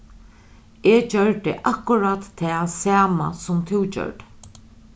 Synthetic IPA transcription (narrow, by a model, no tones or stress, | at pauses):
et͡ɕœɹt̪ɪ̰ʔakʊɾat̪ʰːɛːsæːma̰sʊmt̪ʰɪwt͡ʃœ̰ɹʈ̪